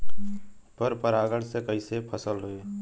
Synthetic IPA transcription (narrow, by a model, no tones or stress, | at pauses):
pəɾpəɾaːɡəɽsekɐiːsepʰɐsəlɾʊeː